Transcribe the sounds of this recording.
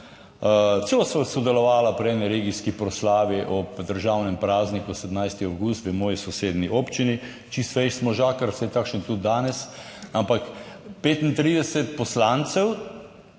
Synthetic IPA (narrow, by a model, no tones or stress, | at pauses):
t̪selosɔsɔd̪ɛlɔʋaːlapɾiɛːniɾeɡiskipɾɔslaːʋiʔɔpd̪əɾʒaːwnɛmpɾaːznikusɛd̪mnajst̪iawɡust̪ʋəmɔːjisɔseːd̪niʔoːpt͡ʃini | t͡ʃist̪ʋɛjʃsmɔʒaːkəɾsɛjt̪akʃnt̪ud̪̚ːaːnɛsampakpeːt̪int̪ɾiːd̪ɛsɛt̪pɔslant̪sɛw